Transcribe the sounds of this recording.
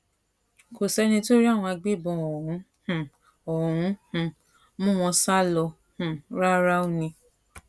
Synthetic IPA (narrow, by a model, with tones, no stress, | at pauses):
ko˨sɛ˨˦nĩ˧to˦ɾi˦a˦˨w̃ɔ̃˧a˧ɡ͡be˦˨bɔ̃˧ɔ˨ɾũ˨˦˨ | ɔ˨ɾ̃ũ˨˦hũ˨ | mũ˦˨w̃ɔ̃˧sa˦lɔ˧ | h̩˨ɾa˦ɾa˦o˦˨nĩ˧